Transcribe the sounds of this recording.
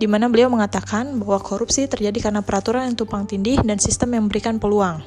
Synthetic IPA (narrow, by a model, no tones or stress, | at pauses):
dimanabəliawməŋat̪akanbahwakoɾupsit̪ərd͡ʒadikaɾənapəɾat̪uɾanjaŋt̪upaŋt̪indɪhdansist̪əmjaŋməbəɾikanpəluaŋ